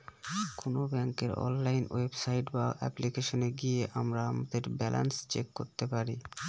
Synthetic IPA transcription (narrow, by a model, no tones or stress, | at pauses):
konobɛŋkeɾɔ̰nlajnwebsajʈbaʔɛ̰plikeʃoneɡieʔamɾaamad̪eɾbɛlʔa̰nst͡ɕekːo̰ɾt̪epaɾi